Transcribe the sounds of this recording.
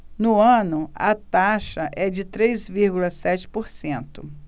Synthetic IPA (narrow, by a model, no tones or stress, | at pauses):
nʊɐ̃nʊɐt̪aʃɐʔɛd͡ʒɪt̪ɾejzviɾɡʊlɐsɛt͡ʃɪ̥poɾsẽnt̪ʊ